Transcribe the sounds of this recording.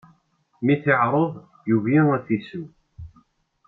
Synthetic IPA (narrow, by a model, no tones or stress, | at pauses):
miθɪʕɾˤoðˤ | juviŋæθisəm